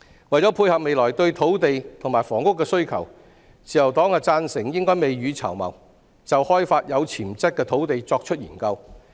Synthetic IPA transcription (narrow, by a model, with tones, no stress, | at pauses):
wɐ˨˩jt͡sɔː˨˥pʰuː˧jhɐ˨p̚me˨˧jlɔː˨˩jt̪ɵ˧ɥt̪ʰo˨˥wt̪e˨jt̪ʰŋmaː˨˩jfɔː˨˩ŋkʊ˥kːɛː˧sɵ˥ɥkʰɐ˨˩w | t͡siː˨˩jɐ˨˩wt̪ɔː˨˥ŋhaː˧t͡saː˧nsɪ˨˩ŋjɪ˥ŋkɔː˥jme˨jɥyː˨˧t͡sʰɐ̰˨˩wmɐ̰˨˩w | t͡sɐ˨whɔː˥jfaː˧t̚jɐ˨˧wt͡sʰiː˨˩mt͡sɐ˥t̚kːɛː˧t̪ʰo˨˥wt̪e˨jt͡sɔː˧k̚t͡ʃʰɵ˥t̚jiː˨˩nkɐ˧w